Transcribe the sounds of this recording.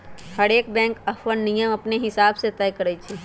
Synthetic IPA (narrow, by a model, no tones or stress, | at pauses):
hɐɽeːk̚bɛ̃ːŋkɐfʰənnːijəmɐpneɦɪsaːbset̪ɛːjkəɾəit͡ʃʰi